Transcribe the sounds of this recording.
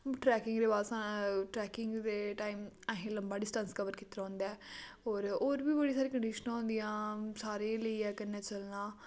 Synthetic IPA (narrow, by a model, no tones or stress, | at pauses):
ʈɾɛːkɪ̃ŋɡd̪eːbaːlsãːʈɾɛːkɪŋɡd̪eːʈaːiːməɦẽːləmbaːɖɪsʈə̃nskəʋəɾkit̪ːɾãːnd̪ɛːoːɾoːɾbiːbəɽiːsaːɾiːkəɳɖiːʃənãːnd̪ijãːsaːɾeːləiːɛːkənːɛːt͡ʃəlnãː